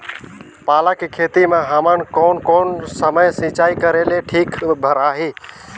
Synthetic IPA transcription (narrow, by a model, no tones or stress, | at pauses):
paːlãːkikʰeːt̪imãːɦaːmənkoːnkoːnsəməjsĩːt͡ʃaːikəɾeːleʈʰiːkbʱəɾaːɦeː